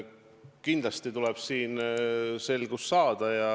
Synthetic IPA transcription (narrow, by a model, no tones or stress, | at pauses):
kind̥̪lɑst̪it̪ulɛb̥siːnse̞lɡ̥usːɑːd̪̥ɑjɑ